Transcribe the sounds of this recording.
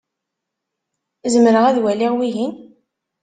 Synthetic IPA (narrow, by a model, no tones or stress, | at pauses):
zəmɾəʁæðwæliʁwiʝin